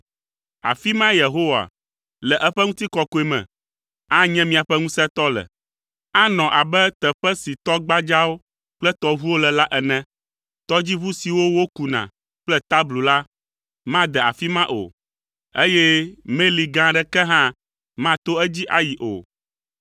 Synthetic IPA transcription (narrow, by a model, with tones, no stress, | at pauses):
a̰˨fi˦mã˦je˨ɦo˦wa̰˨ | lɛ˨ʔɛ˦ɸɛ˦ŋũ˦t̪i˦kɔ˦ko˨˦ɛ˨mɛ̰̃˨ | a˦ɲɛ̃˦mĩ˨a˨ɸɛ˦ŋũ˦sɛ˦t̪ɔ˦lɛ̰˨ | a˦nɔ̃˨ʔa˨bɛ˦t̪ɛ˨ɸɛ˦si˨t̪ɔ˦ɡ͡ba˦d͡ʒa˦wo˦ | k͡plɛ˦t̪ɔ˦βu˦wo˦lɛ˨la˦ʔɛ˨nɛ̃˦ | t̪ɔ˦d͡ʑi˦βu˦si˨wo˦wo˦ku˨nã̰˨ | k͡plɛ˦t̪a˦blu˨la˦ | mã˦d̪ɛ˨a˨fi˦mã˦ʔo̰˨ | e˦jɛ˦me˦li˨ɡã˦ɖɛ˦kɛ˦ɦã˦ | mã˦t̪o˦ɛ˦d͡ʑi˦ʔa˦ji˨ʔo̰˨